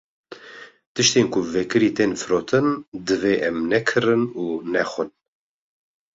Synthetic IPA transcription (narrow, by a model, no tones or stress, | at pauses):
t̪ɨʃt̪eːnkʰʊvɛkɨɾiːt̪eːnfɨɾoːt̪ʰɨnd̪ɨveːʔɛmnɛkʰɨɾɨnuːnɛxʷɨn